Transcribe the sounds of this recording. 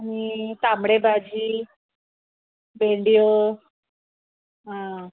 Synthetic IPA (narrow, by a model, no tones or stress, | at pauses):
ɦĩt̪amɽebad͡ʑi | beɳɖijo | ɦã